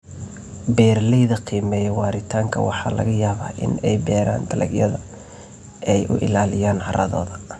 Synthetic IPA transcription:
bɛːrlɛjðɐqʰiːmɛːjɛwɑːɾɪt̪ʰaːŋkʰɐ̰wɑħɑ̰ːlɐ̰ɣɐjaːβaːʔɪ̰nɛjbɛːɾa̰ːnd̪ɐlʔɐ̰ɡjɐðɐ | ɛjʔʊ̰ʔɪ̰laːlɪjaːnɐ̰ɾʔɐðɔ̰ːðɐ

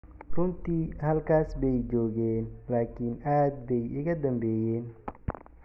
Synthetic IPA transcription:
rʊnt̪ʰiːhɐlkʰaːsbɛjd͡ʒɔːɣɛːnlaːkʰɪːnaːd̪̚bɛjʔɪɣɐd̪ɐmbɛːjɛːn

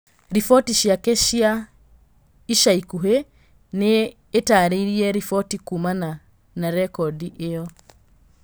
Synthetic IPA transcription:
ɾifɔtiʃiakeʃia | iʃaikuɦe | neː | taɾiɾiɛɾifɔtikumana | naɾɛkɔdiʔejɔ

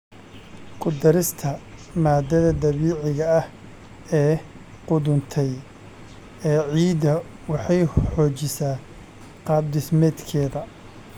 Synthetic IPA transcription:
kʰʊd̪ɐɾɪst̪ʰɐmaːd̪ɐðɐd̪ɐβiːʕɪɣɐɐh | ɛː | qʊðʊnt̪ʰɛj | ɛːʕiːd̪ɐ | wɑħɑjħɔːt͡ʃɪsaː | qɑːb̚d̪ɪsmɛːd̪kʰɛːðɐ

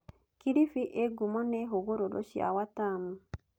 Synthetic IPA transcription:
kiɾifiʔeɡumɔneɦoɡoɾolo̰ʃiʔa̰watamu

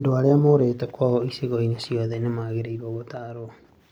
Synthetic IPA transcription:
doaɾeamoɾeːtɛkwaɣɔiseɣoinesiɔðenemaːɣeɾeiɾɔɣotaːɾoɔ

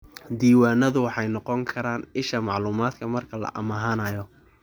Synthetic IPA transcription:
d̪iːwaːnɐðʊwɑħɑjnɔqɔŋkʰɐɾaːnɪʃɐmɑʕluːmaːd̪kʰɐmɐrkʰɐlɐ̰ʔɐ̰mɐɦaːnɐjɔ

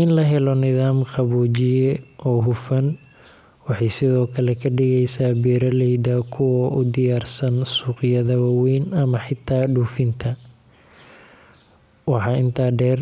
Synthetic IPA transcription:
ɪnlɐɦɛlɔnɪðaːmqɑβuːt͡ʃɪjɛʔɔːɦʊfɐn | wɑħɑjsɪðɔːkʰɐlɛkʰɐɖɪɣɛjsaːbɛːɾɐlɛjd̪akʰʊwɔːʔʊd̪ɪjaːrsɐnsuːqɪjɐðɐβɐwɛːnɐmɐħɪt̪ʰːaːɖuːfɪnt̪ʰɐ | wɑħɑːɪnt̪ʰaːɖɛːr

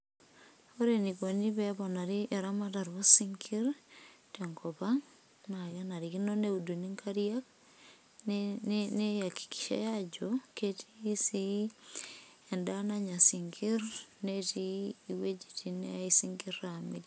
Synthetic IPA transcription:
oɾenikoniβɛβɔnaɾiʔeɾamataɾwosiŋkʰiɾteŋkopaŋ | nakenaɾikinoneuduniŋkʰaɾiak | nnejaki̥ki̥ʃḛjad͡ʒoketiːsi | endanaɲasiŋkiɾnetiːwed͡ʒi̥tineaisiŋɡiramil

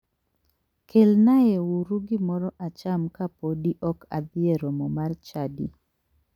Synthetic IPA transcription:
kʰelnajɛwuɾuɡɪmɔɾɔʔat͡ʃamkapodiʔɔka̰d̪ɪeɾɔmɔmart͡ʃadḭ

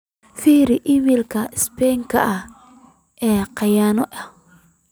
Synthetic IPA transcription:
fiːɾɪʔɪmilkʰɐɪspɛŋkʰɐ̰ʔɐh | ʔɛːqɑjaːnɔʔɐ

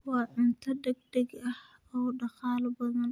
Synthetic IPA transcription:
wɑːʔɪnt̪ʰɐdɛɡ̚dɛɡɐh | ɔwɖɐxɑːlbɐðɐn

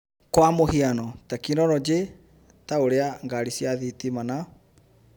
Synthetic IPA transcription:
kwamohianɔtakinɔɾɔd͡ʑe | taoɾeaŋɡaɾisjaðitimana

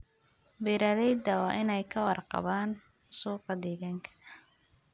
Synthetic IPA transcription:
biɾaðɛjd̪ɐwɑːʔɪnɛjkʰɐwɑrqɑ̰βaːn | suːqɑd̪ɛːɣaːŋkʰɐ̥

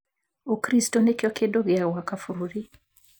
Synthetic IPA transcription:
okɾistɔnekɔkedɔɣɛawakafuɾuɾi

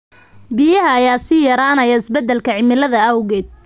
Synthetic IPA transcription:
bijɐɦɐːjaːsijɐɾaːnɐjɐɪsbɛd̪ːɛlkʰɐʕɪmɪlɐðɐɐwɣɛːd̪̚

